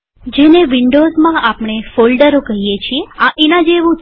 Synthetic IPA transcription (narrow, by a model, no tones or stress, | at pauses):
d͡ʒeneʋiɳɖozmãapɳ̃efolɖəɾokəɦijet͡ʃʰieãʔinad͡ʒeʋũ